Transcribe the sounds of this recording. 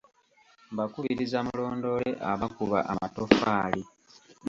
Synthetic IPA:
mbakuβiɾizamulo̞ːndo̞leʔaβakuβa̰ʔamato̞faːli

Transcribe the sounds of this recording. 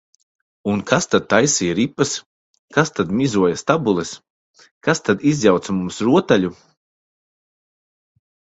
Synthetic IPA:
unkʰast̪ad̪̚t̪ːajsijɾipːas | kast̪ad̪mʲizuɔjast̪abulˠɛs | kast̪ad̪izjawt̪samumsɾuɔt̪aʎu

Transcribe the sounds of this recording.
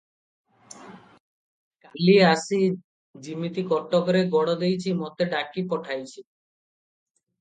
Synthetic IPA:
kaliasi | d͡ʑimːit̪ikɔʈːokoɾeɡɔɽod̪ejt͡ɕʰimɔt̪eɖakːipɔʈʰajt͡ɕʰi

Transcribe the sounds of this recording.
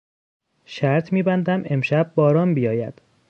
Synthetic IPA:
ʃæɾt̪ʰmiːbænd̪æmʔe̞mʃæbːɒːɾɒːmbijɒːjæ̰d̪̥

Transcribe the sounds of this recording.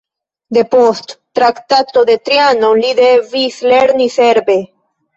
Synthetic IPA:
d̪e̞post̪ːɾakt̪at̪od̪e̞t̪ɾianolid̪evisleɾniseɾbe̞

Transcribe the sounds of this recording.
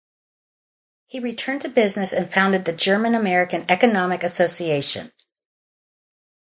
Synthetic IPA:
hiɹitʰɜ̃˞ntʰɨbɪznɨsɨ̃nfãʊ̃ndɨd̪̚ðɨd͡ʒɜ˞mɨ̃nəmɛɹɨkɨ̃nɛkɨnɑmɨkɨsoʊsieɪʃɨ̰̃n

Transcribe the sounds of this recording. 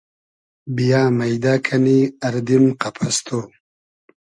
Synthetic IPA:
bijaːmɐjd̪akʰɐniɐɾd̪imqapʰast̪ʰoː

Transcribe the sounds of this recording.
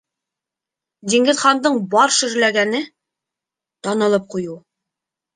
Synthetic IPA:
d̪iŋɡɘ̆zχɑnd̪ɤɴbɒɾʃɵ̆ɾlæɡænɘ | t̪ɒnɤ̆lˠɤp̚quju

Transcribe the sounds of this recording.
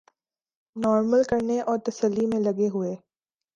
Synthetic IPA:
nɔːɾməlkɐɾneʔɔːɾt̪ɐsəlːimẽlɐɡeɦʊeː

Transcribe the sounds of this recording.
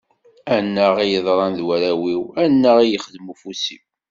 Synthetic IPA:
ænːəʁijəðˤɾˤɑnðwæɾæwiwænːæʁijəχəðmufusiw

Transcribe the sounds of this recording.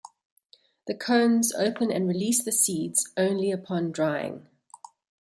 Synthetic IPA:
ðəkʰə̃ʊ̃nzə̰ʊpə̃nə̰̃nɹiliˑsðəsiːdz̥ə̃ʊ̃nliəpʰɒ̃ndɹaɪɪ̰̃ŋ

